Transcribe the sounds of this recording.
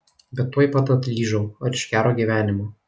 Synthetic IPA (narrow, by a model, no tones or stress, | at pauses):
bʲɛt̪ːuɔjpɐt̪ɐt̪ʲlʲiːʒɐʊɐɾɪʃʲkʲæːɾoːɡʲiːʋʲæːnʲɪmoː